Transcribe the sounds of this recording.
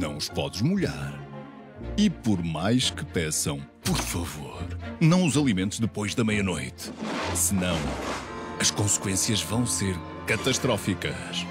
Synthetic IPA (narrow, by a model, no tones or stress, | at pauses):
nɐ̰̃w̃uʃpɔðʒmuʎa̰ɾ | ipɔɾmajʃkɨ̥pɛsɐ̃w̃pɔɾfɐvoɾnɐ̃w̃uzɐlˠimẽnt̪uʒðɨpojʒðɐmɐjɐnojt̪sɨnɐ̃w̃ | ɐʃkõskwẽsjɐʒvɐ̃w̃seɾ | kɐt̪ɐʃt̪ɾɔfikɐ̰ | ʃ